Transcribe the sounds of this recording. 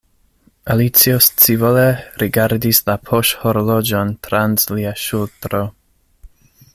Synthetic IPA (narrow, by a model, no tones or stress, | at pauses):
alit͡siost͡sivoleɾʔiɡaɾdislapʰoʃhoɾolod͡ʒontɾanzliaʃultɾo